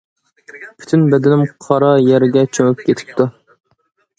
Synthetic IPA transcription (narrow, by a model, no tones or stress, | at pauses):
pʰy̥t̪ʰynbɛd̪ɪnɪmqʰɑɾɑjɛɾɪɡʲɛt͡ʃʰøŋyp̚kʲʰet̪ʰɪ̥p̚t̪u